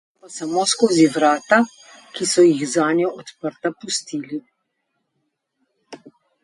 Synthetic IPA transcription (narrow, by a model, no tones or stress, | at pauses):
pasamoːskoːziʋɾaːt̪a | kisɔjiɣzaːnjɔʔɔt̪pəɾt̪apust̪iːli